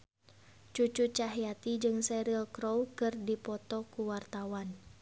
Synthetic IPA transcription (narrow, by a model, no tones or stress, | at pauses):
t͡ʃut͡ʃut͡ʃaɦijat̪id͡ʒɨŋsɛɾilkɾowkɨrdipɔt̪ɔkuwart̪awan